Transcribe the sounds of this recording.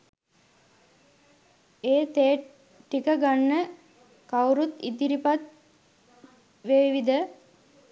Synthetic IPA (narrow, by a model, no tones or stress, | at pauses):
eːt̪eː | ʈikəɡanːə | kawɾut̪ḭd̪iɾipat̪̚ | ʋeːʋid̪ə